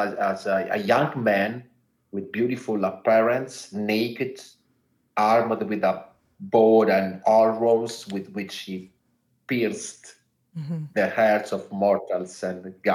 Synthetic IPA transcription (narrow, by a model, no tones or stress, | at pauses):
azə̰jãŋɡmæ̃n | wɪð̚bjuɾifulapɛɹɛ̃ntsnejkɛd | aɾmd̪wɪðə | boɾɛ̃ndɔɹoswɪðwɪt͡ʃhi | piɹst̪ | ðəhɛɹt̪sɔvmɔɾt̪alsɛ̃nɡa